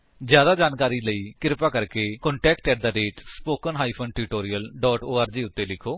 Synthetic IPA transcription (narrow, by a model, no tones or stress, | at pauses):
d͡ʒjaːd̪aːd͡ʒaːnkaːɾiːləiːkɪɾpaːkəɾkeːkɔɳʈɛːkʈɛːʈ̚d̪aːɖeːʈspoːkənɦaːiːpʰənʈɪʈoːɾiːəlɖɔːʈoːaːɾd͡ʒiːʊt̪ːeːlɪkʰoː